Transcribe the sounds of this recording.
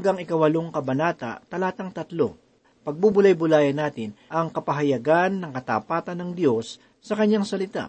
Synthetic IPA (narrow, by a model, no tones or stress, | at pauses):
ŋɡaŋɪkɐwɐloŋkɐbɐnaːt̪ɐ̰t̪ɐlaːt̪ɐŋt̪ɐt̪lo̰ŋ | pɐɡ̚bubʊlɐjbʊlaːjɐnːaːt̪ɪnʔɐŋkɐpɐɦɐjɐɡanːɐŋkɐt̪a̰ːpaːt̪ɐnːɐŋd̪jo̞sː | ɐkɐɲːaŋsɐlɪt̪a̰